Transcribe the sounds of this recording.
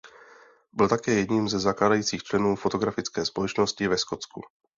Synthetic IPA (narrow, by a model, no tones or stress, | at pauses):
bɪlt̪akɛːjɛdɲiːmzɛzaklaːdajiːt͡siːxt͡ʃlɛnuːfo̞t̪o̞ɡɾafɪt͡skɛːspo̞lɛt͡ʃno̞scɪvɛsko̞t͡skṵ